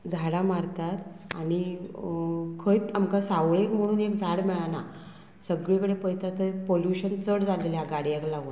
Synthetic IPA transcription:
d͡zʱaɽamaɾt̪at̪a̰ɽ̃i | kʰəjt̪amkasawɭekm̤əɽ̃uːnekd͡zʱaɽmɛɭana | səɡɭekəɽepəjt̪at̪əpoljuɕənt͡səɽd͡zaleljaɡaɽjeklaɡo

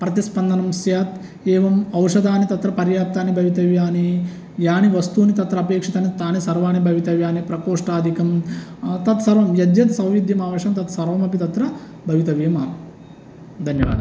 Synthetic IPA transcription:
pɾɐt̪ispɐnd̪ʱɐnɐmsjaːt̪ | eːʋɐmɐwʂɐd̪ʱaːnit̪ɐt̪ɾɐpɐɾjaːp̚t̪aːnibʱɐʋit̪ɐʋjaːni | jaːniʋɐst̪uːnit̪ɐt̪ɾɐɐpeːkʂit̪aːnit̪aːnisɐɾʋaːnibʱɐʋit̪ɐʋjaːnipɾɐkoːʂʈaːd̪ʱikɐmt̪ɐt̪sɐɾʋɐmjɐd̪jɐt̪sɐwʋid̪ʱjɐmaːʋɐʂɐmt̪ɐt̪sɐɾʋɐmɐpit̪ɐt̪ɾɐ | bʱɐʋit̪ɐʋjɐmaːn | d̪ʱɐnjɐʋa̰ːd̪ɐ

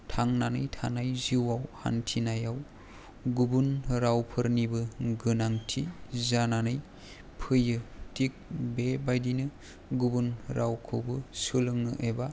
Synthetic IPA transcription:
tʰaŋnanɯjtʰanajziwawha̰ntʰinajaw | ɡubunɾawpʰɯɾnibɯɡɯnaŋtʰizananɯj | pʰɯjɯtik̚bebajdinɯ | ɡubunɾʔawkʰɯwbɯsɯlɯŋnɯ̰ʔeba

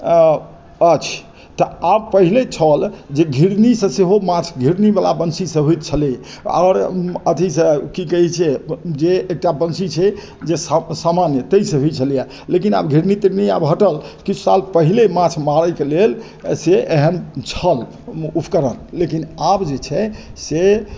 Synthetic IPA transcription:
ət͡ʃʰ | t̪əab̚pəɦilet͡ʃʰəld͡ʒeɡʱiɾnisə̃seɦomat͡ʃʰɡʱiɾnibala̰bənsisə̃ɦut̪̚t͡ʃʰəlia̰ɾət̪isə̃kikəɦit͡ʃʰɛd͡ʒeːk̚ʈabənsit͡ʃʰɛ | d͡ʒessamanjət̪əisə̃ɦuit͡ʃʰəlija | lekina̰bɡʱiɾnit̪iɾnia̰bɦəʈəlkit͡ʃʰsalpəɦilemãt͡ʃʰmaɾəkelel | seʔeɦənt͡ʃʰəl | upʰkəɾənlekinabd͡ʒet͡ʃʰɛse

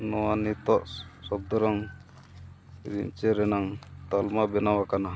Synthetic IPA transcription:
nɔwanit̪ɔʔsɔb̚d̪ɔɾɔŋ | ɾḭmt͡ʃɛɾɛnaŋt̪almabɛnawakana

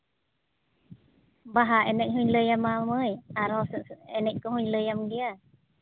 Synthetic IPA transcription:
baɦaʔɛnɛc̚ɦuɲləjamaməjaɾɔsɛnɛc̚kɔɦuɲləjamɡia

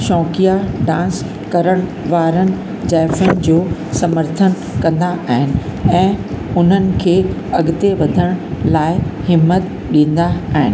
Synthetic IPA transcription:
ʃɔːkijaɖãːns | kɐɾəɽ̃ | ʋaːɾənɪ̆ | d͡ʑaːɪfən̆d͡ʑoːsɐməɾt̪ʰən | kɐ̃nd̪aʔaːɦɪnɪ̆ɛ̃ː | ʊn̤ənɪ̆kʰeːɐɠɪt̪eʋɐd̪ʱəɽ̃laːɪhɪmːət̪ | ɗĩːn̆d̪aaːɦɪnɪ̆

